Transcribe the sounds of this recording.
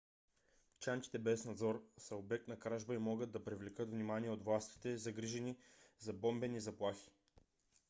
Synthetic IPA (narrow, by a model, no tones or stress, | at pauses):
t͡ʃanki̥t̪ɛbɛsnɐd̪zɔɾsɐobɛk̚t̪nɐkɾaʒbəimɔɡəd̪ːɐpɾivlɛkət̪vnimaniɛot̪vlˠast̪i̥t̪ɛzɐɡɾiʒɛnizɐbɔmbɛnizɐplˠaxi̥